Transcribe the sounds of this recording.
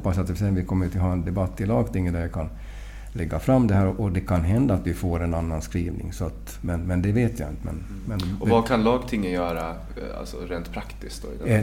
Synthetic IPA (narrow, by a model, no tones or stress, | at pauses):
pːasat̪d̪ɛɪsɛjanvɪkʰɔmːəjt̪ʰɪlɦɑːɛnd̪ɛbat̪ːɪlɑːɡt̪ʰɪŋːənd̪ædɛkʰan | lɛɡːafɾamːd̪ɛɦæːɾɔʔɔd̪ɛkʰanɦɛnd̪aːt̪vɪfoːɾɛnanːanskɾiːvnɪ̰ŋsɔat̪ | mɛnmɛnd̪ɛveːt̪ʰja̰ɪ̰nt̪əmɛ̰n | mɛnɔvakʰanlɑːɡt̪ʰɪŋːənjœːɾa | a̰lsɔ̰ɾeːnt̪pʰɾakt̪ɪskt̪ɔ̰ɪ̰d̪